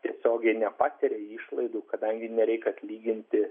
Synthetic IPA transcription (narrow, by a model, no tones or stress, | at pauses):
t̪ʲiɛsʲoːɡʲɛɪnʲɛpɑːt̪ʲɪɾʲeiːʃlˠɐɪd̪uːkɐd̪ɐŋʲɡʲɪnʲɛɾʲɛɪkɐt̪ʲlʲiːɡʲɪnʲt̪ʲɪ